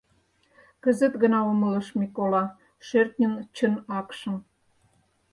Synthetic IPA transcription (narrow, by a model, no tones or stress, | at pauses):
kə̆zə̆t̪ɣə̆nɑomə̆lə̆ʃmʲikolɑ | ʃert̪nʲə̆nt͡ɕə̆nɑkʃə̆m